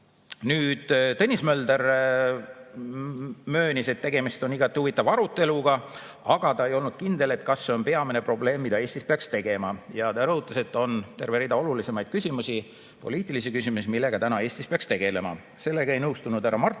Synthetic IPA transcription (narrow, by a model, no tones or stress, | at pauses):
nyːd̪̥t̪ɤnʲːismøld̪er | mø̞ːnʲise̞t̪ːe̞ɡe̞mist̪o̞niɡ̥ɑt̪ːˑiuvit̪ːˑɑvɑɾut̪ːˑe̞luɡ̥ɑ | ɑɡ̥ɑt̪ɑe̞jo̞lnud̪̥̚kind̪e̞le̞t̪kɑsːe̞o̞npe̞ɑmine̞pro̞ble̞ːmːid̪̥ɑe̞ːsʲt̪ispe̞ɑkst̪e̞ɡ̥e̞mɑjɑt̪ɑɾɤhut̪ˑːɑse̞t̪ːˑo̞nt̪e̞rve̞ɾid̪ɑo̞lulise̞mɑjd̪̥kysʲimusi | po̞liːt̪ˑilisikysʲimusimilːe̞ɡ̥ɑt̪ænɑe̞ːst̪ispeɑkst̪e̞ɡ̥e̞le̞mɑ̰ | se̞lːe̞ɡɑe̞jnɤwst̪unud̪̥æɾɑmɑrˑ